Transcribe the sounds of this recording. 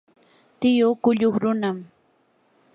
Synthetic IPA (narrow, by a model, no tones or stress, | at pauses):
t̪ɪjʊkʊʎʊχɾʊnam